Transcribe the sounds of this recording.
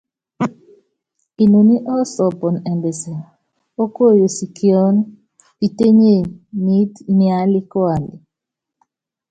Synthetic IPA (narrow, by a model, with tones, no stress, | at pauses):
i˨no˨ni˦ʔɔ˦sɔ˨pɔ˨nɛ˨mbɛ˨sɛ˨ | o˦ko˦˨jo˨si˨kjɔ˦n | pi˨te˦ɲe˦˨ni˦tnɪa˦lɪ˦kwa˨li˨